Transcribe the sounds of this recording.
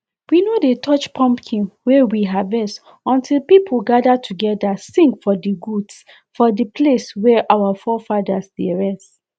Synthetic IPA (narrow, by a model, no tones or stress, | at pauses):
winodetʰɔt͡ʃpʰɔ̃mpkʰĩŋwɛwiɦavɛs | ɔ̃ntʰilpipʰolɡadatʰuɡɛdasĩŋkfɔdiɡuds | fɔdəpʰleswɛʔawafɔfadasd̥eɹɛst